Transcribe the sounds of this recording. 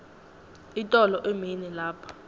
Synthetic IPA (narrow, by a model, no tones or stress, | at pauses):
itʼɔlɔʔeminɛlaːpʰḁ